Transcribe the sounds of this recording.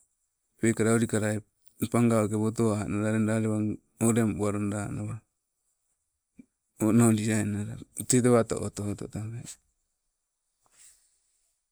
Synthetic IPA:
pejkaɾaoɾikaɾae | paŋɡaokeβot̬oaanaɾaɾendaɾeβa | oɾembuaɾondanaβa | onondiaenaɾatet̬eβato̰ʔotoototaβe

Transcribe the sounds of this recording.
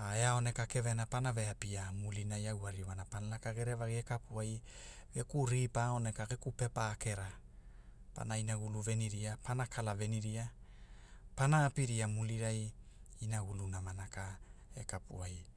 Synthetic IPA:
aeao̞ne̞kake̞ve̞napanave̞apiamulinajawaɾimanapanalakaɡe̞ɾevaɡiekapuajɡekuɾipaone̞kaɡe̞kupe̞paːke̞ɾa | pa̰nainaɡuluve̞niɾiapanakʰalave̞niɾia | panaːpiɾiamuliɾajinaɡulunamanakae̞kapṵaj

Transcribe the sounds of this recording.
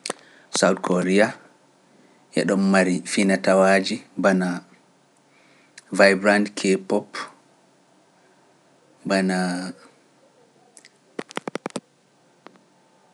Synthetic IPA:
sawdkʰoɾia | ʔɛ̰ɗɔmːaɾifinatawaːd͡ʒibana | vajbɾandkʰɛpɔp | bana

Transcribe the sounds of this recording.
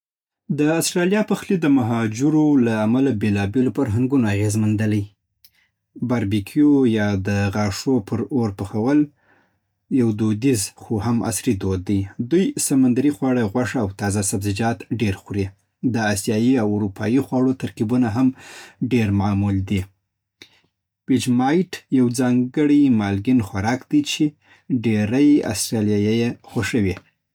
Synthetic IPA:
d̪əastɾɑlijɑpəxlid̪əmaɦɑd͡ʒuɾolaːmalabelɑbelopəɾɦaŋɡunoaɣezmand̪əlaj | baɾbikʰjojɑd̪əɣɑʂopʰəɾoɾpəxawəl | jawd̪od̪izxohama̰sɾid̪od̪̚ːajd̪ujsamand̪aɾixwɑɽaɣwaʂaawt̪ɑzasabzɪd͡ʒɑt̪ɖeɾxuɾi | d̪əɑsjɑjiawʊɾupʰɑjixwɑɽot̪aɾkibunaɦamɖeɾmɑmuld̪i | wɪd͡ʒmɑjʈjawd͡zɑŋɡəɽimɑlɡinxwaɾɑkd̪̥ijt͡ʃe | ɖeɾaja̰st̪ɾɑlijajajexwaʃəwi

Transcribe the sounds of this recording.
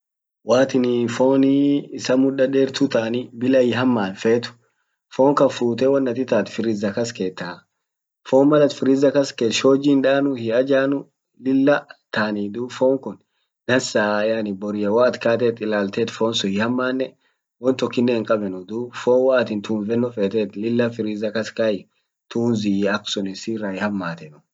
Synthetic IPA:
waːt̪ɪnfoːnɪːsɐmʊᶑɐd̪eːɾt̪ʊt̪aːnɪbɪlɐjɪɦɐmːaːnfeːt̪ʊ̥ | foːŋkɐfuːt̪ɛwɐnːɐt̪ɪt̪aːt̪fɪɾɪzɐkɐskeːt̪ːa | foːnmɐlɐt̪fɪɾɪzɐkɐskeːt̪ʃo̞ːd͡ʒiːnᶑaːnʊhɪɐd͡ʒaːnʊ | lɪlːɐt̪aːnid̪uːfoːŋkʊn | nɐnsaːjanɪbɔɾɪjɐwaːt̪kaːt̪̬ɛːt̪ʼɪlaːlt̪eːt̪foːnsɔhɪhɐmːaːnːɛ | wɔnt̪ɔkːɪnːɛɪŋkʼɐbɛnʊd̪uːfoːnwaːt̪ɪnt̪ʰuːnvɛnːɔfeːt̪eːt̪lɪlːɐfɪɾɪzɐkɐskɐjɪ | t̪uːnzɪɐksʊnɪsiːrːɐhɪhɐmːaːt̪ɛnʊ̥

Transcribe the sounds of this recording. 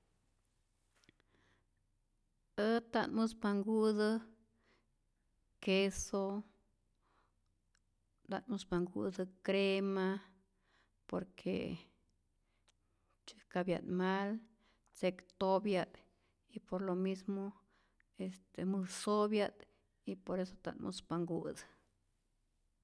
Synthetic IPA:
ət̪anmɨsbaŋɡud̪ɨ | keso | d̪a̰nmɨsbaŋɡṵd̪ɨkɾema | po̰ɾkʰḛ | t͡ʃe̥kabja̰d̪mal | t͡sekt̪objad̪ | ipoɾlomismo | est̪emɨssobjad̪ | ipoɾesot̪a̰nmʔṵspaŋɡṵd̪

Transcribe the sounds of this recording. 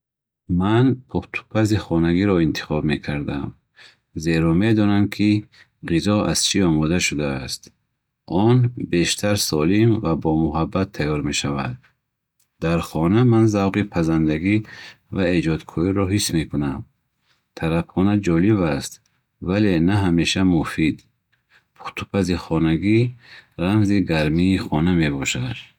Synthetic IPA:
manpʰuχt̪ʰu̥pʰaziχɔnaɡiɾɔint̪ʰi̥χɔbme̞kʰaɾd̪am | ze̞ɾɔmed̪ɔnamkʰi | ʁizɔa̰z̥t͡ʃʰiɔmɔd̪aʃud̪aːst̪ | ɔnbe̞ʃt̪ʰaɾsɔlimvabɔmuɦabːat̪ʰːajɔɾme̞ʃava̰d̪̚ | d̪aɾχɔnamanzawʁipʰazand̪aɡi | vaed͡ʒɔd̪kʰɔiɾɔɦisme̞kunam | t̪ʰaɾabχɔnad͡ʒɔliβast̪ | vale̞naɦameʃamufid̪ | pʰu̥t̪ʰu̥pʰaziχɔnaɡiɾamziɡaɾmiːχɔname̞bɔʃad̪

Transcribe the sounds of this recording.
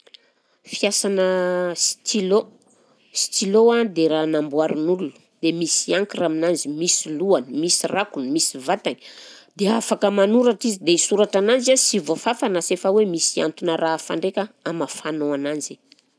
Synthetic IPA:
fiasanəsi̥t̪ilo | si̥t̪iload̪eɾanambuaɾunululu̥ | d̪̥emisiaŋkiraminanzimisiluanimisirakunmisivat̪ani̥d̪̥eafakəmanuɾaʈ͡ʂizid̪eisuɾaʈ͡ʂanand͡ʒasivofafanasefəwemisia̰nt̪unəɾafa̰ɳɖ͡ʐekʲaamafanoanand͡ʒi̥

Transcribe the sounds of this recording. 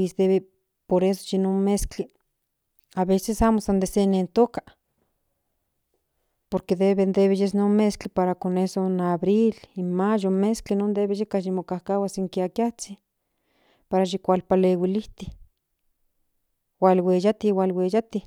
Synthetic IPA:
isd̪eβe | poɾeso̥ʃinonmeskt͡ɬi | aβesesamosand̪esenent̪okḁ | poɾked̪eβend̪eβejesnonmesklipaɾakonesonaβɾilinmajonmesklinond̪eβeʃekaʃimokahkawasiŋkiakjat͡si | paɾaʃ̬ikʷalpalewiliht̪i | walwejat̪iwalwejat̪i

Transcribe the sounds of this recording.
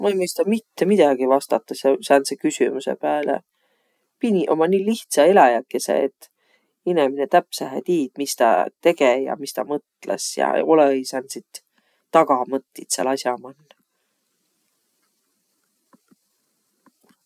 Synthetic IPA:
mɑejmɤjst̪ɑmit̪ːemid̪̥ɑɡ̥ivɑst̪ɑt̪ːˑɑsjɑsɑnsekysʲymuse̞̰pæːlḛ | pinʲiʔo̞mɑniːliht̪sɑelɑjækːˑe̞sḛet̪ː | ineminet̪æpsæɦæ̰t̪iːd̪̥mist̪ɑ̰t̪e̞ɡ̥ejɑ̰mist̪ɑmɤt̪ˑlḛsjɑ̰o̞leejsɑnsit̪ː | ɑɡ̥ɑmɤt̪ːit̪sḛlɑsʲjɑmɑnːɑ

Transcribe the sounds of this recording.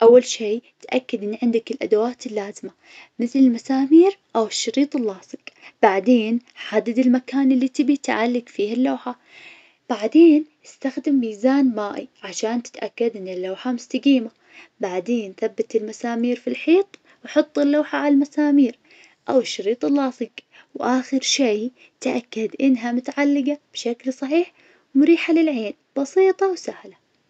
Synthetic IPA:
ʔawːalʃeːt̪ʔakːad̪ʔɪnːʕɪnd̪akɪlʔa̰d̪awaːt̪ɪlːaːzɪma | mɪθlɪlmasaːmiːɾʔawɪʃːɑɾiːt̪ˤɪlːɑːsˤɨqb̥aʕd̪eːnħad̪ad̪ɪlmakaːnʔɪlːit̪ɪbit̪ʕalːɪɡfiːhalːawħa | b̥aʕd̪eːnjɪst̪axd̪ɪmːiːzaːnmaːʔiʕaʃaːnt̪ɪ̥t̪ʔakːad̪ʔɪnːɪlːaːħamʊst̪aɡiːma | baʕd̪eːnθabːat̪ɪlmasaːmiːɾfilħiːt̪ˤ | wħʊt̪ˤːɪlːawħaʕalalmasaːmiːɾ | ʔawɪʃːɑɾiːt̪ˤɪlːɑːsˤɨɡ | wʔaːxɪɾʃej | t̪ʔakːad̪ʔɪnːɦamʊt̪aʕalːɪɡab̥ʃaklsˤɑħiːħ | mʊɾiːħalɪlʕeːn | b̥ɑsˤiːt̪ˤɑwsahla

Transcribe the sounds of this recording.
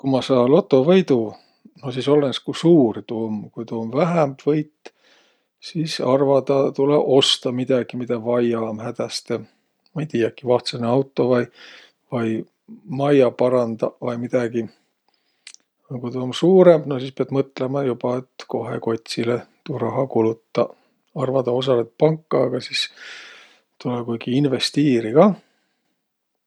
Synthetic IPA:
kumɑsɑːlo̞t̪ːˑo̞vɤjd̪u | no̞siso̞lːenskusuːrt̪uomkujt̪uomvæɦæmb̥vɤjt̪ː | sisɑrvɑd̪ɑt̪uleo̞st̪ɑmid̪̥ɑɡ̥imid̪ɑvɑjɑːmhæd̪̥æst̪e̞ | mɑejt̪iːjɑkːivɑht̪seneɑwt̪ːˑo̞vɑj | vɑj | mɑjɑpɑɾɑnd̪ɑvɑjmid̪̥ɑɡi | kujt̪ɑonsuːɾe̞mbno̞sispeɑb̥mɤt̪ːlemɑjub̥ɑe̞t̪ko̞ɦḛko̞t̪ʲsilet̪uɾɑɦɑkulut̪ːˑɑ̰ | ɑrvɑd̪ɑo̞s̬ɑlet̪̚pɑŋkːɑːɡ̥ɑsis | t̪ulekujɡ̥iinve̞st̪iːɾiɡ̥ɑ

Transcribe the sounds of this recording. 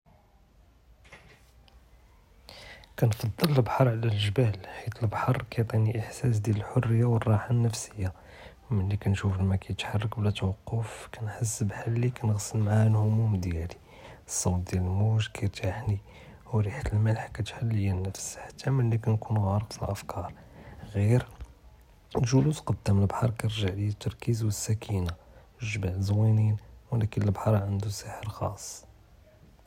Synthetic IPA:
kænfɑd̪ˤːəllbħɑɾˤʕlælʒbælħit̪əlbħɑrˤkʰæt̪ˤiniʔəħsæs̬d̪jæləlħorːəjːawərˤːɑħanːəfsəjːa | məlːikænʃuflmækæjət̪ħɑrˤːɑkblæt̪wɑqːʊfkænħəs̬ːbħalːikænəɣsəlmaʕaanhʊmʊmd̪jæli | sˤːɑwt̪̚d̪jæləlmuʒkʰæɾt̪aħni | huɾiħat̪əlməlħkæt̪ħalːəjænːəfsħḁt̪ːæmælːikænkunɣɑɾˤəqfilʔəfkʰɑɾˤ | ɣiɾ | lʒulusqɑd̪̥ːæməlbħɑɾˤkæəɾʒaʕliæt̪ːɑɾˤkizwəsːækʰina | ʒbaʕzwininwlækənəlbħɑɾˤʕənd̪usəħəɾxɑ̰sˤː

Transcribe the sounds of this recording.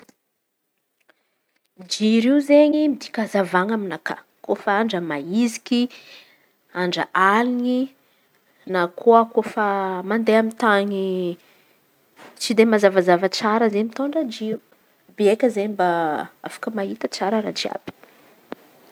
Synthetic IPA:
d͡ʒiɾiuzeɲimid̪i̥kʲazavaŋaminaka̰ | kofaaɳɖ͡ʐəmaizi̥kʲi | aɳɖ͡ʐə̰ʔalini | nakʰoəkofəmand̪eamit̪aɲi | t͡sid̪emazavazavat͡saɾəzeɲmit̪oɳɖ͡ʐəd͡ʒiu | beekʲəzeɲmbaa̰fḁkəmaɦit̪ət͡saɾəɾa̰t͡ʃia̰b̥i̥

